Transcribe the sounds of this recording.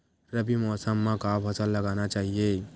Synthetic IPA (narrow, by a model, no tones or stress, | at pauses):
ɾəbimɔːsəmːãkapʰəsəlːəɡanat͡ʃaːɦije